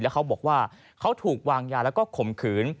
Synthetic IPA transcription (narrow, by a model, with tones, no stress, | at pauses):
lɛ˦˥kʰwbɔː˨˩k̚waː˥˩ | kʰa˦˥wt̪ʰuː˨˩k̚waː˧ŋjaː˧lɛː˦˥wkɔː˥˩kʰo˨˩mkʰɯː˩˦n